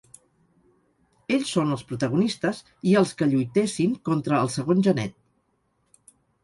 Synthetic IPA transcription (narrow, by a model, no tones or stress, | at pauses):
eʎsːonəlˠspɾut̪əɣ̞unist̪əz | iəlˠskəʎujt̪esiŋkɔnt̪ɾəːlˠsəɣonʲʒənɛ̰t̪̚